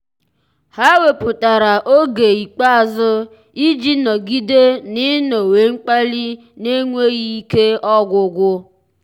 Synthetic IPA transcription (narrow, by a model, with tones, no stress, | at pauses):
ha˦we˨pʊ˨ta˨ɾa˨ʔo˦ɡe˨i˨k͡pa˦a˨zʊ˦ | i˦d͡ʒi˦nɔ˨ɡi˦de˦nɪ˦no˨we˨˦ŋ͡m̩˦k͡pa˦li˦ | ne˦ŋʷe˦ɣi˦i˦ke˦ɔ˦ɡʷʊ˨ɡʷʊ˦